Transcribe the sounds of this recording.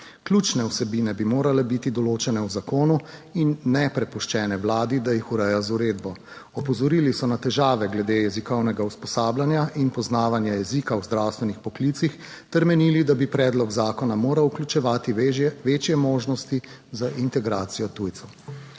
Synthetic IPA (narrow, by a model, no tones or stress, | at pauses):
klʲut͡ʃnɛusɛbinɛbimoːɾalɛbit̪id̪ɔloːt͡ʃɛnɛwzakoːnuinːɛpɾɛpuʃt͡ʃɛːnɛwlaːd̪id̪ajixuɾɛjazuɾeːd̪bɔ | ɔpɔzɔɾiːlisɔnat̪ɛʒaːʋɛɡlɛd̪ejɛzikɔwnɛɡauspɔsaːblanjaʔinpɔznaːʋanjajɛzikawzd̪ɾawst̪ʋɛnixpɔklit̪six | t̪ɛɾmɛniːlid̪abipɾɛːd̪lɔɡzaːkɔnamoːɾawklʲut͡ʃɛʋaːt̪iʋet͡ʃjɛmoːʒnɔst̪izaʔint̪ɛɡɾaːt̪sijɔt̪uːjt̪sɛw